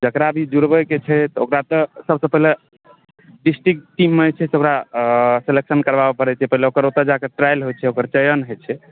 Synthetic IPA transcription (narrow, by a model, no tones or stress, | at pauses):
d͡ʒəkɾabʱid͡ʒuɾbəket͡ʃʰɛt̪ɔo̰kɾat̪ɔsəbsəpəɦile | ɖisʈɾikʈːimːet͡ʃʰɛsokɾaseleksənkəɾbabepəɾɛt͡ʃʰɛpəɦileokəɾot̪əɾd͡ʒakeʈɾajlɦojt͡ʃʰɛokəɾt͡ʃəjənɦojt͡ʃʰɛ